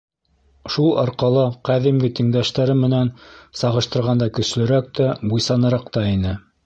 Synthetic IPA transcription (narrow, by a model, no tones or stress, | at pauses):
ʃulˠɑɾqɑlˠɤqæðimɡɘt̪ĭŋd̪æʃt̪æɾɘmɘ̆nænsɑʁɤ̆ʃt̪ɤ̆ɾʁɑnd̪ɑkɵ̆slɵ̆ɾæk̚t̪æbujsɑnɤ̆ɾɑqt̪ɑinɘ